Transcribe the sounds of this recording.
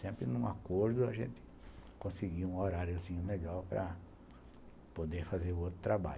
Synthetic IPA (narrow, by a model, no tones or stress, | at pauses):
sẽmpɾɪnũakoɾd̪ʊɐʒḛ̃nt̪ɪ̥ | kõsɪɡiwũoɾaɾjʊzĩɲʊmeʎawpɾɐ̰ | pod̪eɾfazeɾʊowt̪ɾʊt̪ɾaba̰ʎ